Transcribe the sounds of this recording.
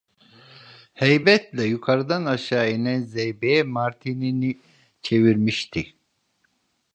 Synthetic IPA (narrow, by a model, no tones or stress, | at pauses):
hejbɛt̪lʲɛjukʰaɾɯd̪anaʃaːenɛnzejbejɛmaɾt̪ʰinini | t͡ʃʰe̞viɾmiʃt̪ʰi